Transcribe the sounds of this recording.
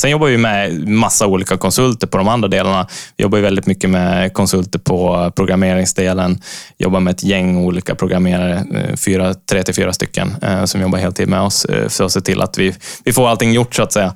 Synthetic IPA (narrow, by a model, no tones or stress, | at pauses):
sɛnjɔbːavɪɪmɛmasːauːliːkakʰɔnsɵlt̪əɾpʰɔd̪ɔmand̪ɾad̪eːlaɳavɪjɔ̰bːaɾjʏvɛld̪ɪt̪mʏkːəmɛkʰɔnsɵlt̪əɾpʰɔpʰɾʊɡɾameːɾɪŋsd̪eːlənjɔ̰bːaɾmɛɛt̪ʰjɛŋːuːliːkapʰɾʊɡɾamːeːɾaɾəfyːɾat̪ʰɾeːt̪ɪfyːɾast̪ʏ̰kːə̰nsɔmjɔbːaɾheːlt̪ʰiːd̪nmɛɔsfœɾɔseːt̪ʰɪlʔa̰t̪vɪvɪfoːɾalt̪ɪŋːjʊʈːsaːt̪sɛjːa